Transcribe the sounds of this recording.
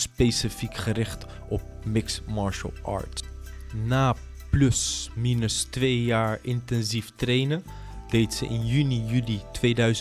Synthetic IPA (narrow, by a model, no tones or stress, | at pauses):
spejsifikχəɾɪχt | ʔɔp̚mɪksmɑɹʃə̰lˠʔɑ̰ːɹt | naː | plɵsminəstʋejjaːɹɪntɛnziftrejnə | d̥ejtsəʔɪnjynijylitʋejdœɥz